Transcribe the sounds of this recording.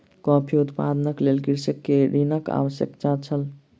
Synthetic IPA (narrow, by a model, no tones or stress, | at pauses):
kɔpʰiut̪pad̪nəklelkiɾsəkːeɾinəka̰ʋəsjə̰kt͡ʃat͡ʃʰəl